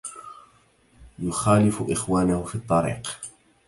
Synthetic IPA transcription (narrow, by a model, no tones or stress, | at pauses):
jʊxaːlɪfʊʔɪxwaːnahʊfiːt̪ˤːɑɾḭːq